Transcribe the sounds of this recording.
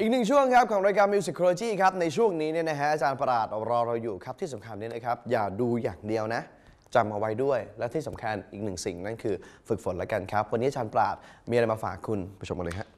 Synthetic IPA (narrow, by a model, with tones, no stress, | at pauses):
ʔiː˨˩nɯ˨˩ŋt͡ɕʰu˥˩əŋkʰa˦˥p̚kʰɔː˩˦ŋɾa˧jkaː˧mi˧wsi˨˩kʰːoː˧loː˧t͡ɕiː˥˩kʰa˦˥p̚na˧jt͡ɕʰu˥˩əŋniː˦˥ni˥˩ɐna˦˥kʰa˦˥ʔaː˧t͡ɕaː˧npɾaː˨˩t̪̚ɾɔː˧ɾa˧wjuː˨˩kʰa˦˥p̚t̪ʰiː˥˩s̬a˩˦mkʰa˧nːi˦˥ɐna˦˥kʰa˦˥p̚jaː˨˩duː˧jaː˨˩ŋdi˧əwna˦˥ʔ | t͡ɕa˧mʔa˧wa˦˥jdu˥˩əjlɛː˦˥t̪ʰiː˥˩sa˩˦mkʰa˧nʔiː˨˩k̚nɯ˨˩ŋsi˨˩ŋna˥˩nkʰɯː˧fɯ˨˩k̚fo˨˩˦nlɛ˦˥ka˧nkʰa˦˥p̚wa˧nːiː˦˥ʔaː˨t͡ɕaː˧npɾa̰ː˨˩t̪̚miː˧ɾa˧jmaː˧fa̰ː˨˩kʰːu˧na˧˩t͡ɕʰo˧mka˧lɤː˧ka˦˥ʔ